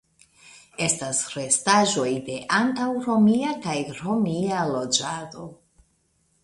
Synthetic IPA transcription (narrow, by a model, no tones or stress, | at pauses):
e̞stasɾe̞staʒo̞jde̞ʔantawɾo̞miakajɾo̞mialo̞d͡ʒado̞